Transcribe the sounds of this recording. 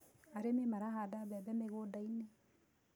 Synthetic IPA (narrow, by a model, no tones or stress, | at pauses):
aɾememaɾaɦadaβɛbɛmeɣodaine